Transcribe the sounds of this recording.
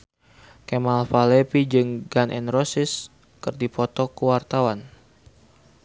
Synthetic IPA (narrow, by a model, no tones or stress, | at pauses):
kɛmalfalɛpid͡ʒɨŋɡanʔɛ̰nrɔsis | kɨrdipɔt̪ɔkuwart̪awan